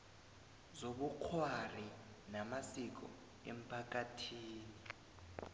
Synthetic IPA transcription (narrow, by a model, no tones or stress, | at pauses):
zoɓuk͡xʰwari | namasik̬ʼɔ̰ | ḛm̩pʰak̬ʼatʰiːni